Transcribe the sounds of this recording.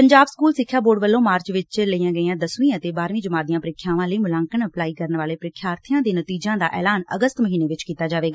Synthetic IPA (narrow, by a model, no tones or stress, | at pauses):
pəɲd͡ʒaːbskuːlsɪkʰːjaːboːɖʋəlːõːmaːɾt͡ʃʋɪt͡ʃləijãːɡəijãːd̪əsĩːãət̪eːbaːɾʋĩːd͡ʒəmaːd̪ijãːpəɾɪkʰːjãːʋãːləiːmʊlãːŋkənəplaːiːkəɾənʋaːleːpɾɪkʰːjaːɾt̪ʰɪjãːd̪eːnət̪iːd͡ʒãːd̪a̰ːʔɛ̰ːlaːnə̰ɡəst̪məɦiːneːʋɪt͡ʃkiːt̪aːd͡ʒaːʋeːɡaː